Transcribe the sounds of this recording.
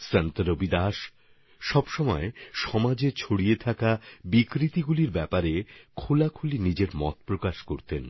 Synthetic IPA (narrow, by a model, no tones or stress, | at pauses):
sɛnt̪ɾobid̪aʃ | ʃɔbʃɔmɔeʃɔmad͡ʑet͡ɕʰoɽijet̪ʰakabikɾit̪iɡuliɾbɛpaɾekʰolakʰulinid͡ʑeɾmɔt̪̚pɾokaʃkoɾt̪en